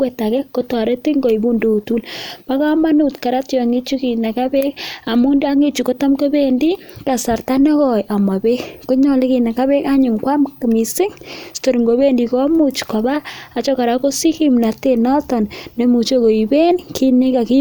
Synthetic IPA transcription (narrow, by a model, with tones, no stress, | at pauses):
we˨ta˨kɛ˦ko˦tɔ˨ɾe˦ti˦ŋɡo˨i˨bu˦ndo˦u˨tu˦lpa˦ka˦ma˦nu˦tka˨ɾa˦tjɔ˨a˨ŋi˦t͡ʃu˦ki˨na˨ka˦be˦ka˨mu˦ndi˦a˦ŋi˦t͡ʃu˨ko˦ta˦mko˦be˦ndi˦ | ka˨sa˨ɾta˦nɛ˦kɔ˨jʔa˨ma˨be˦kko˦ɲɔ˦˨li˦ki˨na˨ka˦βe˦ka˦ɲʊ˨ŋkwa˦mka˨mi˨sɪ˦ŋsto˨ɾi˨ŋɡo˨be˦ndi˨ko˦mut͡ʃkɔ˨baː˦˨t͡ʃɔ˦ka˨ɾa˦ko˦si˦ki˦mna˨te˦nɔ˦tɔ˨nːe˦mu˨t͡ʃo˦ko˨i˨be˦nkʰi˦ne˦ka˨ki˦